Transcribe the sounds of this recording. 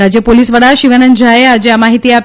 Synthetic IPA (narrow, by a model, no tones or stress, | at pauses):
ɾad͡ʑjəpolisʋəɽaʃiʋənənd͡ʑʱajead͡ʑeamaɦit̪iap